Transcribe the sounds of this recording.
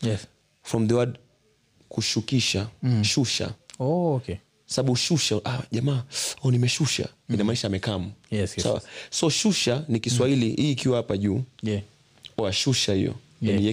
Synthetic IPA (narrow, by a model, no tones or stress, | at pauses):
ɛ | fɾɔmðəwad | kuʃukiʃaʃuʃa̰ɔkɛ | saɓaɓuʃuʃaʔaʄamaːɔnimɛʃuʃa̰inamaiʃamɛkamujɛssa̰wa̰sɔʃuʃanikiswailiʔiːkiwahapaʄuː | ɔaʃuʃahijɔ̰ | aniɛ